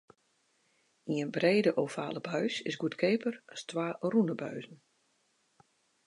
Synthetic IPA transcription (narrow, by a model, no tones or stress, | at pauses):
iənbreːdəʔoːfa̰ːləbœɥsɪsɡutkʰeːpʰərastʋaːrunəbœɥzn̩